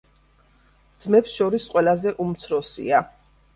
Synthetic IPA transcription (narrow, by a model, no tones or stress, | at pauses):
d̪z̥mɛpsʃɔɾisqʼwɛlˠazɛʔumt̪sʰɾɔsḭa